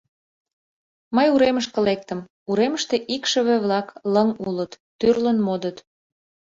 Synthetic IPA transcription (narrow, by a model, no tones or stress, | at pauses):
məjuɾeməʃkə̆lek̚t̪ə̆m | uɾeməʃt̪eʔikʃə̆βĕβlɑkləŋulət̪ːyrlənmod̪ət̪